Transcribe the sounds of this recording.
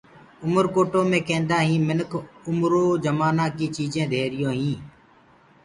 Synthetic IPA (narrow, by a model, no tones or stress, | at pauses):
ʊməɾkoːʈoːmẽːkẽːnd̪ãːɦĩːmɪnəkʰʊmɾoːd͡ʒəmaːnãːkiːt͡ʃiːd͡ʒẽːd̪ʱeːɾɪjõːɦĩː